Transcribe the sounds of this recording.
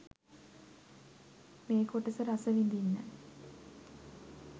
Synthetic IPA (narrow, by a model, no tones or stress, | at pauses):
meːkoʈːɐsɐɾɐsɐʋind̪inːɐ̰